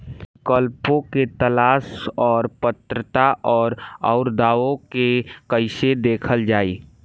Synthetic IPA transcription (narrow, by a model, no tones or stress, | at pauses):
kəlpõket̪əlaːsɔːɾpət̪ɾət̪aʔɔːɾɔːɾd̪aːõkekəɪsed̪eːkʰəld͡ʒaːiː